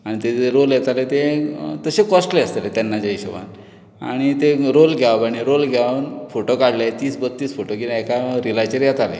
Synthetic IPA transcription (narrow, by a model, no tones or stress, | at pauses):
aɽ̃it̪eɾoljet̪alet̪et̪əsekɔsʈleəst̪let̪anːad͡ʑaiɕəʋa̰n | a̰ɽ̃it̪eɾolɡʱjaʋbaɽ̃iɾolɡʱjaʋnfoʈokaɽljat̪iːsbət̪ːiːsfoʈokit̪ɛkaɾilat͡ɕəɾjat̪alḛ